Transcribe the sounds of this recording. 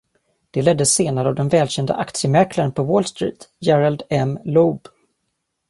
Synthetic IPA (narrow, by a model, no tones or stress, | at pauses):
d̪̥ɛlɛd̪ːəseːnaɾəavd̪ɛnvɛːlɕɛnd̪ə̰ʔakt̪sɪəmɛɾklaɾənpʰɔwoːlst̪ɾḭːt̪jɛɾald̪ɛmlɔb